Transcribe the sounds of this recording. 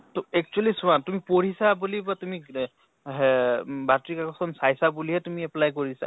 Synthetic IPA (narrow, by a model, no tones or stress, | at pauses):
tɛk̚t͡ʃualisʊantumipɔɹisabulibatumi | ɦbatɹikakɔsɔnsajsabuliɦɛtumiɛplajkoɹisa̰